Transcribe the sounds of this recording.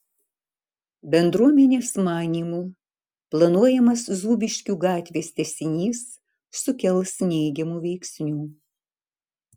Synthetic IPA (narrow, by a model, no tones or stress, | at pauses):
bʲɛnd̪ɾuɔmʲɛnʲeːsmɑːnʲiːmuː | plˠɐnuɔjɛmɐszuːbʲɪʃʲkʲuːɡɑːt̪ʲʋʲeːst̪ʲɛsʲɪnʲiːsː | ʊkʲɛlˠsnʲɛɪɡʲɛmuːʋʲɛɪksʲnʲuː